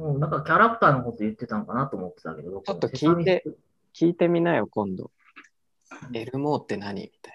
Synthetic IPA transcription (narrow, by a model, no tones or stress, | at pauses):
ɯnãŋkakʲaɾakɯ̥t̪aːnokot̪ojɯ̟t̪ːe̞t̪ãŋkanat̪oːmot̪ːet̪a̰ke̞d̪obokt͡ɕo̞t̪ːokʲiːe | kʲʰiːt̪e̞mʲinaijokõ̞nd̪o̞̰ | e̞ɾɯ̟mo̞ːt̪ːe̞naɲ̟ḭmʲi̥t̪ḁi